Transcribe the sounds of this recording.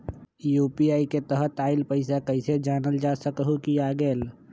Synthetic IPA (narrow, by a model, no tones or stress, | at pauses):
juːpiaːiket̪əɦət̪aːɪlpəɪsakəɪsed͡ʒaːnəld͡ʒaːsəkɦukijaɡɛːl